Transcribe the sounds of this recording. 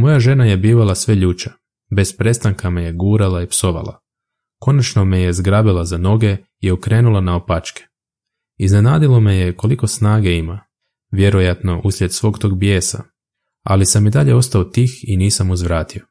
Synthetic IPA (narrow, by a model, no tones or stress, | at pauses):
mo̞jaʒe̞naje̞biːʋalasʋe̞ʎuːt͡ʃa | be̞spɾe̞st̪aŋkʰameje̞ɡuːɾalaipso̞ʋa̰lˠa̰ | ko̞nat͡ʃno̞meje̞zɡɾabilˠazano̞ɡe̞ | iukɾe̞ːnulˠanaopat͡ʃke̥ | izne̞naːd̪ilˠo̞meje̞ko̞liko̞snaːɡeima | ʋje̞ɾo̞jat̪no̞ʔuslʎʲe̞d̪sʋo̞ːɡt̪o̞ɡ̚bje̞ːsa̰ | alisamid̪aʎe̞o̞st̪aot̪iːxiniːsamuzʋɾaːt̪io̞